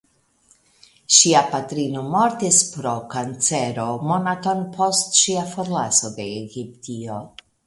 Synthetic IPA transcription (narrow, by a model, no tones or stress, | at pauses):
ʃiapatɾino̞mo̞ɾtispɾo̞kant͡se̞ɾo̞mo̞nato̞npʰo̞stʃiafoɾlaso̞de̞ːɡiptio̞